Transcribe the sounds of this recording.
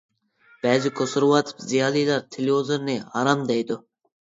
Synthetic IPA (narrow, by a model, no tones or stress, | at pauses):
b̥ɛːzikʰosuɾwɑt̪ʰpzijɑːlilˠɑɾt̪ʰeliozɨɾnɪhɑɾɑmd̪ɛjd̪u